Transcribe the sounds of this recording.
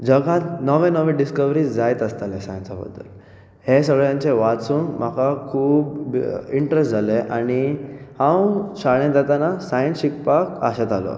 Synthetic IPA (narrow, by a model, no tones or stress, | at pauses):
d͡zəɡãt̪nəʋẽnəʋẽɖiskəʋɾiːd͡zajt̪əst̪alesajənt͡sabə̰d̪ʱːə̰l | hesəɡɭjãɲt͡ɕeʋat͡suːŋm̤akakʰuːbiɳʈɾesʈd͡zʱaleʔaɽ̃ihãwɕaɭẽd͡z̪at̪anasajənsɕikpaka̰ɕat̪alɔ̰